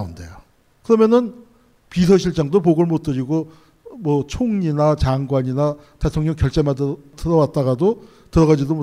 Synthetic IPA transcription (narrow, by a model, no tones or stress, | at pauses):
unde̞jo | kɯɾʌmjʌnɯn | pis̬ʰʌɕʰiɭt͡ɕ͈aŋdop̬oɡɯɭmot͈ɯɾiɡo | mwʌt͡ɕʰoŋɲinat͡ɕaŋɡwaɲina | te̞tʰoŋɲʌŋkjʌɭt͡ɕ͈emaddɯɾʌwat̚t͈aɣado | tɯɾʌɣad͡ʑidom